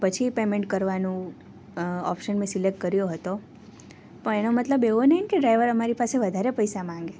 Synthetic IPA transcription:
pət͡ʃʰipemẽɳʈ̚kəɾʋanũ | ɔ̰pʃənmẽsilek̚ʈ̚kəɾjoɦət̪o | pəɳenomət̪ləbeʋoneinkeɖɾajʋəɾəmaɾipaseʋəd̪ʱaɾepəjsamãŋɡe

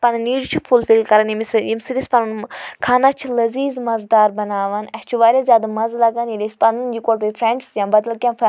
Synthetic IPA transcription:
pɐnniːd͡ʒt͡ʃʰifulfilkɐɾɐnimsimsilispɐnnkʰaːnat͡ʃʰilɐziːzmɐzd̪aːɾbɐnaːʋɐnɐt͡ʃʰuʋaːɾʲazʲjaːd̪amɐzlɐɡɐnilispɐnund͡ʒikoːlpɐfʰɾeɳɖsjãːbɐt̪lɐkʲãmfɐ

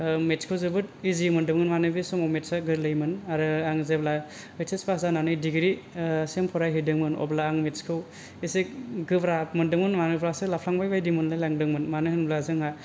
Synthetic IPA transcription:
metskʰɯwzɯbɯt̚izimɯndɯŋɯnmanɯbisɔmɔmetsaɡɯɾlɯjmɯnaɾɯaŋzebla | ɯjtʰespaszananɯjdiɡɾisempʰɔɾajɦɯdɯŋmɯnɔ̰blaːŋmetskʰɯw | isek̚ɡɯbɾamɯndɯŋmɯnmanɯblasɯlapʰlaŋbajbajdimɯnlɯjlaŋdɯŋmɯnmanɯɦɯnblazɯŋa

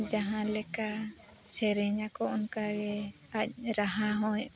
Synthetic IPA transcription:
d͡ʒaɦãlɛka | sɛɾɛɲakɔʔɔnkaɡɛ | ac̚ɾaɦaɦɔ̃ɲ

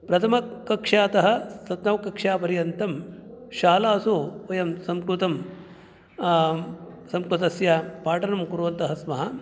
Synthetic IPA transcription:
pɾɐt̪ʰɐmɐkːɐkʂaːt̪ɐɦɐ̆sɐt̪nɐʋkɐkʂaːpɐɾjɐnt̪ɐmʃaːlaːsoːɐjɐmsɐmkɾut̪ɐm | sɐmkɾut̪̬ɐsjɐpaːʈɐnɐmkuɾʋɐnt̪ɐɦɐsmɐɦɐ

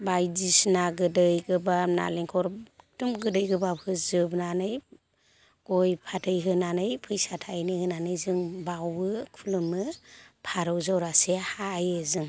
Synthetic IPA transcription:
bajdisnaɡɯdɯjɡɯbana̰liŋkʰɔɾtumɡɯdɯjɡɯbahɯzɯbnanɯj | ɡ̥ɔjpʰatʰɯjɦɯnanɯjpʰɯjsatʰajnɯhɯnanɯjzɯŋbawɯkʰulɯmɯpʰaɾɯwzɔwɾasehajɯzɯŋ

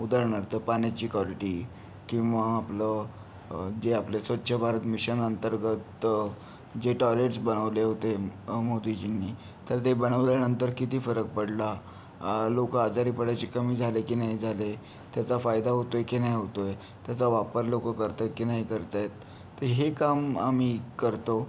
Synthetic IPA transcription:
ud̪əɾɳaɾt̪əpanjat͡ɕiːkɔliʈi | kĩʋaːplə | d͡ʑeaplesʋət̪ːɕʰəbʱaɾət̪miɕənənt̪əɾɡət̪ | d͡ʑeʈɔjleʈsbəñəʋleɦot̪emod̪id͡ʑinːi | t̪əɾt̪ebəñəʋljanənt̪əɾkit̪iːfəɾək̚pəɽla | lokəad͡zaɾiːpəɽajt͡ɕikəmiːd͡zʱalekiːnaɦid͡zʱale | t̪jat͡safajd̪aɦot̪ojkinaɦiɦot̪oe | t̪jat͡saʋapəɾlokəkəɾt̪aet̪̚kinaɦikəɾt̪ajet̪ː | əɦekamam̤iːkəɾt̪o

